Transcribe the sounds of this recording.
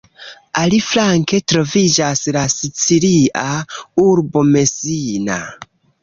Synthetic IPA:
aliflaŋke̞tɾo̞vid͡ʒaslasit͡siliauɾbo̞me̞sina̰

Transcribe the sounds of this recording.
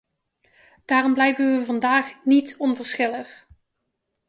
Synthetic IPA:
d̥aːrɔmblɛjvənʋəvɑndaːχnitɔnvəɹsχɪləχ

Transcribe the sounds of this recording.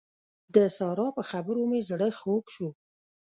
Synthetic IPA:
d̪əsɑɾɑpəxabəɾumezɽəxokʃu

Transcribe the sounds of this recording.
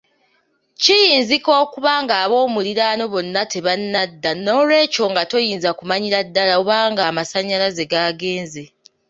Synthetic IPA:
cijiːnziko̞ːkuβaːŋɡaːβo̞ːmuliɾano̞βo̞nːate̞βanːadːano̞ːlwe̞ːco̞ŋɡato̞jiːnzakumaɲiɾadːalaoβaːŋɡaːmasaɲːalaze̞ɡaːɡe̞ːnze

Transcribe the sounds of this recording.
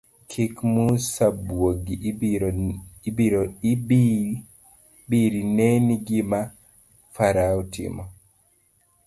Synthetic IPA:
kʰikmusabwoɡi | ibiɾɔ | biɾinɛniɡima | faɾautḭmɔ

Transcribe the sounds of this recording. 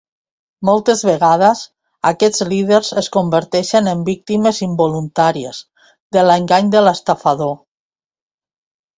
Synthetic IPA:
mɔlˠt̪ezβeɣað̞əz | akɛd͡zlið̞eɾzeskombəɾt̪ɛʃenəmbik̚t̪iməzimbolunt̪aɾiḛz̥ | ðələŋɡaɲd̪ələst̪afaðo

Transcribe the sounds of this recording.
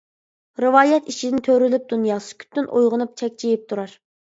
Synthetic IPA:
ɾɨwɑːjɛt̪it͡ʃʰid̪ɪnt̪ʰøɾylyp̚d̪̥unjɑːsɨ̥kʲʰy̥t̪ʰːynʔojʁənup̚t͡ʃʰɛkʲt͡ʃʰijip̚t̪ʰuɾɑɾ

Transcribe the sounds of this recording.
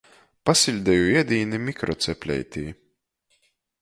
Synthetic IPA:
pasilʲd̪ɛjuiɛd̪iːnimʲikɾɔt̪sɛpʲlʲɛ̰jt̪ʲḭː

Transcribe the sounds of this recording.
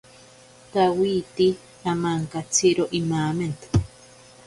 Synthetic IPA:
k̪awiːt̪i | amaŋkat͡sʰiɾoʔimaːment̪ḁ

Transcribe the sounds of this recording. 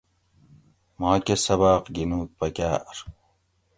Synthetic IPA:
mɑːkʲesɐβaːqɡinuːk̚pɐkʲaːɾ

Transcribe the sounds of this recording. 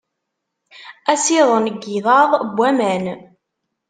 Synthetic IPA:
æsiðˤənəɡːiðɑðˤbʷːæmæn

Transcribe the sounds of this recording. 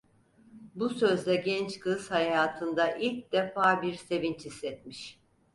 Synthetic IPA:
busø̞zlʲɛɟɛnt͡ʃkʰɯshajaːt̪ʰɯnd̪aʔilʲc̚d̪efaːbiɾse̞vint͡ʃhisːɛt̪̚miʃ

